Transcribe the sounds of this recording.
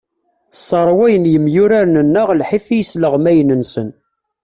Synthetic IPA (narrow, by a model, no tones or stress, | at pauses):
sˤɑɾˤwæjənjəmjʊɾaɾnənːəʁlħiθijəsləʁmæjənənsən